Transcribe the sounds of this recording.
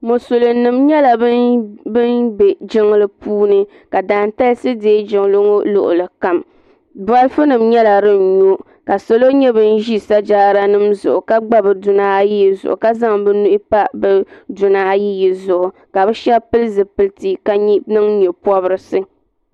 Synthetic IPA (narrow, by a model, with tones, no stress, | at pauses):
mo˨so˨lɨ˨nɨ˨mɲɛ˦la˨bbɨ˦nbɛ˨d͡ʒɪ˦ŋ˦lɨ˦puː˦nɨ˦ | ka˨daː˨n˦ta˦lsɨ˦deː˦d͡ʒɪ˨ŋ˦lɨ˦ŋo˦lʊ˨ʔʊ̰˨lɨ˨ka˨m | ba˦lfɨ˦nɨ˨mɲɛ˦la˨ɾɨ˦n̩˨ɲo˦ | ka˨so˦lo˦ɲɛ˦bɨ˦n̩˦ʒi˦sa˦d͡ʒaː˦ɾa˦nɨ˦mzʊ̰˨ʔʊ˨ka˦ɡ͡ba˦bɨ˨dʊ˨naː˦ji˦ji˨zʊ̰˨ʔʊ̰˨ka˦za˦ŋbɨ˦nu˦ʔɪ˦pa˦bɛ˦dʊ˨naː˨˦ji˦ji˨zʊ˨ʔʊ˨ | ka˨bɛ˦ʃɛ˦pɨ˦lɨ˦zɨ˨pɨ˨lti˦ka˨ɲi˦nɨ˦ŋɲɛ˨pɔ˦bɨ˦ɾɨ˨sɨ˦